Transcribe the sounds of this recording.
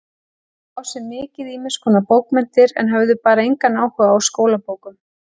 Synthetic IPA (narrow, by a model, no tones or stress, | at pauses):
awsɛmmːɪːcɪðiːmɪnskʰɔːnapoːwkmɛn̥t̪ɪɾɛ̰nɦœvðʏpaːɾaejŋkanːaːwhœɣaːwskoːwlapoːwkʏm